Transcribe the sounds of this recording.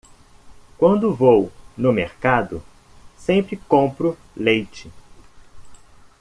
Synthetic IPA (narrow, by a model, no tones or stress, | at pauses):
kwɐ̃nd̪ʊvownʊmeɾkad̪ʊ̰ | sẽpɾɪkõpɾʊ | lejt͡ʃɪ